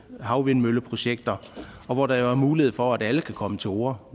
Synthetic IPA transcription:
hɑ̈ʊʋe̝nmøləpʰʁo̝ɕeɡ̥̚d̥ɐɒ̽ʋɒd̥ɑ̈jo̝æɐmuːliheð̰ˠfɒ̽æd̥æləkʰækʰɒ̽mət͡sʰe̝oːɐ

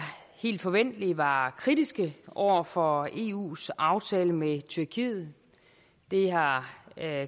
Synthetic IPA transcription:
he̝̰ːld̥fɒ̽ʋen̰d̥əliʋɑ̈kʰʁid̥isɡ̥əʔɒʊ̰ɐfɒ̽e̝̰ṵːsɑ̈ʊt͡sʰɛːləmet͡sʰyɐkʰiːð̩ˠ | d̥e̝ɦɑ̈

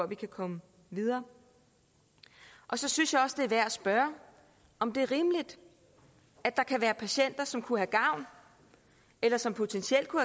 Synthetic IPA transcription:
ɒʋikʰækʰɒ̽mə | ʋiðˠɐː | ʔɒ̽sɒ̽synsjɑ̈ɒ̽sd̥e̝æɐʋæɐ̰æsb̥ɶɐ | ɒ̽md̥e̝æɐʁiːməlid̥ | æd̥ɑ̈kʰæʋæːɐpʰæɕen̰d̥ɐsɒ̽mkʰuhæɡ̥ɑ̈ʊ̰n | elɐsɒ̽mpʰo̝t͡sʰensiel̰d̥̚kʰuhæ

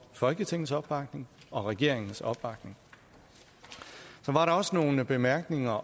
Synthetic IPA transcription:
fɒ̽lɡ̥ət͡sʰe̝ŋ̰n̩sɒ̽b̥ːɑ̈ɡ̥ne̝ŋɒ̽ʁɛɡ̥e̝ɐ̰e̝ŋn̩sɒ̽b̥b̥ɑ̈ɡ̥ne̝ŋ | sɒ̽ʋɑ̈ɾɑ̈ɒ̽sno̝ːnəb̥e̝mæɐɡ̥ne̝ŋɐ

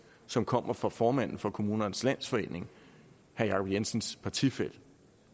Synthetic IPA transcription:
sɒ̽mkʰɒ̽m̰ɐfʁɑfɒːmæn̰n̩fɒ̽kʰo̝muːnɐnslæn̰sfɒ̽e̝̰ːne̝ŋ | hæɐjɑ̈kʰɒb̥jensən̩spʰɑ̈t͡sʰifel̰

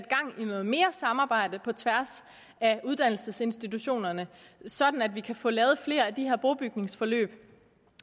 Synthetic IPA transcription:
d̥̚ɡ̥ɑ̈ŋ̰inɔ̽ːð̞̩ˠme̝ːɐsɑ̈mɑ̈ːb̥ɑ̈ɪ̰d̥əpʰɒ̽t͡sʰʋæɐs | æuð̞ˠd̥æn̰l̩səse̝nsd̥it͡sʰuɕo̝̰ːnɐnəsɒ̽d̥n̩æd̥ʋikʰæfɔ̰lɛːʊð̞̩ˠfle̝̰ːɐæd̥iheɐ̰b̥oʊb̥yɡ̥ne̝ŋsfɒ̽lø̰ːb̥

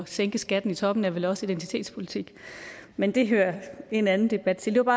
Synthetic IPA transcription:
ɒseŋɡ̥əsɡ̥æd̥n̩it͡sʰɒ̽b̥n̩æɐʋelɒ̽səid̥ent͡sʰi̥t͡sʰe̝̰ːd̥spʰo̝lit͡sʰiɡ̥mend̥e̝ɦøːɐe̝nænn̩d̥e̝b̥æd̥̚t͡sʰe̝ld̥e̝ɐb̥ɑ̈ː

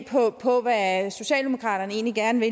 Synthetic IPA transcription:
pʰɒ̽pʰɒ̽ʋæso̝ɕɛ̰ːld̥emo̝kʰʁɑ̰̈ːɾɐnəe̝̰ːnliɡ̥æɐnəʋe̝

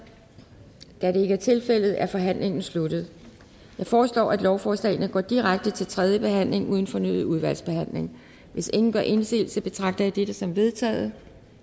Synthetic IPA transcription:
d̥æɾe̝e̝ɡ̥æɐt͡sʰe̝lfel̰ð̞̩ˠæɐfɒ̽ɦæn̰le̝ŋn̩slud̥ð̞̩ˠ | jɑ̈ɪfɒːslɒ̰ːæd̥lɒʊfɒːslɛ̰ːɪnəɡ̥ɒ̰ːd̥iʁaɡ̥̚d̥ət͡sʰe̝lt͡sʰʁɛð̞ˠjəb̥e̝ɦæn̰le̝ŋʔuðˠn̩fɒ̽nyðð̩ˠuð̞ˠʋæl̰sb̥e̝hæn̰le̝ŋ | ʋe̝se̝ŋn̩ɡ̥ɶɐʔe̝nsḭːlsəb̥e̝t͡sʰʁɑ̈ɡ̥̚d̥ɐjæd̥ed̥əsɒ̽mʋe̝ð̞ˠt͡sʰɛ̰ːðˠ

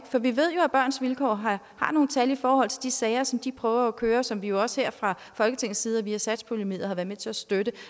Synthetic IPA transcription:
fɒ̽ʋiʋe̝ð̞̰ˠjo̝æb̥ɶɐ̰nsʋilkʰɒ̰ːɦ | hɑ̈no̝ːn̩t͡sʰælifɒːhɒ̽l̰t͡sʰe̝ld̥isɛːɪɐsɒ̽md̥ipʰʁœːʊɐːkʰøːɐsɒ̽mʋijo̝ɒ̽sheɐ̰fʁɑ̈ | fɒ̽lɡ̥ət͡sʰe̝ŋ̰̩sːiːð̞ˠɐʋiːæsæd̥spʰulemḭːðˠɐhɑ̈ʋæɐmet͡sʰe̝læsd̥øɾ̥ə

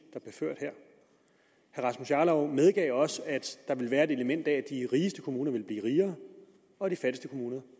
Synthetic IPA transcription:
d̥ɑb̥leɐføɐ̰d̥hæɐ̰ | hæɐʁɑ̈smusjɑ̈ːlɒʊmeð̞ˠɡ̥ɛ̰ɪɒ̽səæd̥d̥ɑ̈ʋe̝lʋæːɐe̝d̥e̝ləmen̰d̥ɛædd̥iʁiːəsd̥əkʰo̝muːnɐʋe̝lb̥liːʁiːɐː | ɒ̽d̥ifæd̥əsd̥əkʰomuːnɐ

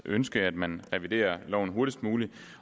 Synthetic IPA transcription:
ʔønsɡ̥əæd̥mænʁɛʋid̥e̝̰ːɐlɒ̰ʊn̩ɦo̝ɐɾ̥isd̥muːli

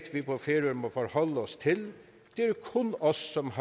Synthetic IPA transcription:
t̪ʰʋɪpʰɔfeːɾʉəɾmoːfɔɾhɔlːəɔst̪ʰɪl | d̪̥ɛæɾkʰʊnɔsːɔmhɑ

